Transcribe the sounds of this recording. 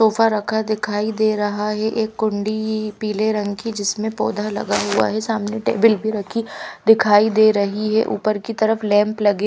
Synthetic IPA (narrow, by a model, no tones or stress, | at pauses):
soːfaɾɐkʰad̪ɪkʰaːid̪eːɾɐɦaɦɛʔeːkːʊ̃ɳɖipiːleɾɐ̃ŋɡkid͡ʒɪsmẽpɔːd̪ʱalɐ̰ɡaɦua̰ɦɛsaːmneʈḛːbɪlbʱiɾɐkʰid̪ɪkʰaːid̪eːɾɐɦiɦɛ̰ʔṵːpəɾkit̪ɐɾəflɛ̃ːmplɐɡeː